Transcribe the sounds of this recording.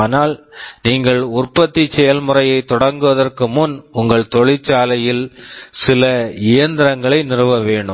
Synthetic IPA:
naːlniːŋɡɐɭʊrpɐt̪ːit͡ʃːɛjɐlmʊrɐjɐɪt̪ːɔɽɐŋɡɯʋɐðɐrkɯmʊnʊŋɡɐɭt̪ɔɭɪt͡ʃːaːlɐjɪlsɪlɐɪjɐnd̪ɪɾɐŋɡɐɭɐɪnɪrɯʋɐʋeːɳɖɯm

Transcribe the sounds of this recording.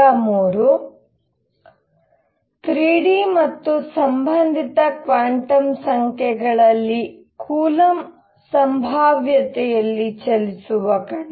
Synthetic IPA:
amuːɾu | t̪ɾiːɽimɐt̪ːusɐmbʱɐnd̪ʱit̪ɐkʋaːɳʈɐmsɐŋkʰɛɡɐɭɐlːi | kʰuːlɐm | sɐmbʱaːʋjɐt̪ɛjɐlːit͡ʃɐlisuʋɐkɐɳ

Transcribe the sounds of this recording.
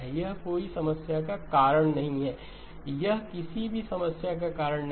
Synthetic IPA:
jɐɦkoːisɐməsjakakaːɾəɽ̃nɐɦĩɦɛː | jɐɦkɪsibʱisɐməsjak̬akaːɾəɽ̃n

